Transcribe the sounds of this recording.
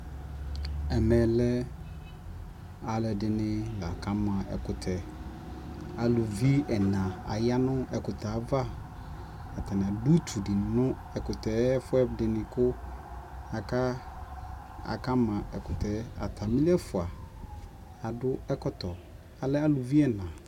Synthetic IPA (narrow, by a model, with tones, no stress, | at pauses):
ɛ˨mɛ̃˨lɛ˦ | a˨lɛ˨dɪ˨nɪ̃˦la˨ka˦mã˨ɛ̰˨kʊ˨tʰɛ˨ | a˨lʊ˨vi˦ɛ˨nã˨a̰˨ja˦nʊ̃˦ʔɛ˨kʊ˨ta˨˦va˦ | a˨tʰa˨nɪ̃˨a˨du˦t̪ʰu˨di˨nʊ̃˦ | ɛ˨kʊ˨tɛ˨˦fʊ˦ɛ˦dɪ˨nɪ̃˨kʊ˦ | a˨ka˦ | a̰˨ka˦mã˨ɛ˨kʊ˨tʰɛ˨a̰˨t̪ʰa˨mĩ˦lɛ˦fʊ˨a˨ | a˨dʊ˦ɛ˦kɔ˦tɔ˨ | a˨lɛ˦a˦˨lu˨vi˦ɛ˦nã˨